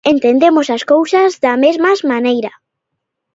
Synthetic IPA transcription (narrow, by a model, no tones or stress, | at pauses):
ent̪end̪emosaskowsazðamezmazmanejɾɐ